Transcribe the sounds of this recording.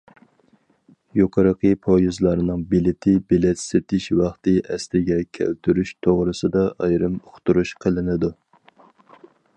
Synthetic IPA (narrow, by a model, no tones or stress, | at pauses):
joqʰɑɾəqʰəpʰojuzlˠɑɾnɨŋbilɪt̪ʰɪbelɛt̪sɪt̪ʰɪʃwɑχt̪ɨʔɛslɪɡʲɛkʲʰɛ̰lt̪ʰyɾyʃt̪ʰoʁɾɨsɨd̪ɑʔɑjɾɨmoχt̪uɾuʃqʰəlˠɪnɨd̪u